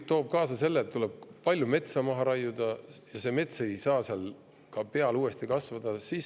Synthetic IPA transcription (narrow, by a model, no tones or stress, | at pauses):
t̪o̞ːb̥̚kɑːsɑse̞lːeːt̪ːuleb̥̚pɑlʲjume̞t̪sɑmɑɦɑɾɑjːud̪̥ɑjɑse̞me̞t̪se̞jsɑːseɑl | kɑpe̞ɑluːe̞st̪ikɑsvɑd̪̥ɑsiːs